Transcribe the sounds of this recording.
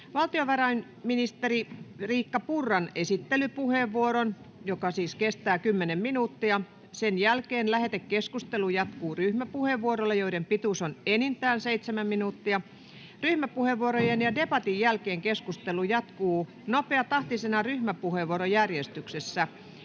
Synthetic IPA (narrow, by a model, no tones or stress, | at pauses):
ʋɑlt̪ioʋɑrɑin | minist̪eririːkːɑpurːɑnesit̪ːelypuheʋːuoɾon | jokɑsiːskest̪æːkymːenemminuːt̪ːiɑ | senjælkeːnlæhet̪ekkeskust̪elujɑt̪kuːryhmæpuheʋːuoɾolːejoiɾempit̪usonenint̪æːnseit̪semæmminuːt̪ːiɑ | ryhmæpuheʋːuoɾojenjɑdepɑt̪ijjælkeːŋkeskust̪elujɑt̪kuː | nopeɑt̪ɑht̪isenɑryhmæpuheʋːuoɾojærjest̪yksesːæ